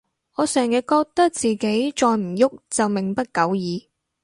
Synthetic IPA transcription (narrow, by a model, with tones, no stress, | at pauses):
ŋɔː˨˧sœː˨˩ŋjɛ˧kɔː˧k̚t̪ɐ˥k̚t͡siː˨ke˨˥jt͡ʃɔː˧jm̩˨˩jʊ˥k̚t͡sɐ˨wmɪ˨˩ŋpɐ˥t̚kɐ˨˥wjiː˨˧